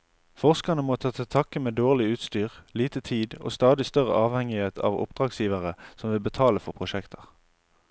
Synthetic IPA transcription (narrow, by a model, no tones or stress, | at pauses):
fɔʁskɑnəmoːt̪ʰɑːt̪ʰɪlt̪ʰɑkəmeːd̪oːʁlɪʉːt̪st̪yːʁliːt̪ət̪ʰiːd̪o̰ːst̪ɑːd̪ɪst̪œʁə̰ʔɑːʋhɛŋɪheːt̪ʰɑ̰ːʋʊ̰pd̪̥ʁɑːɡsjiːʋɑʁəsɔmʋɪlbət̪ʰɑːləfɔʁpʰʁʊʃɛkt̪ʰəʁ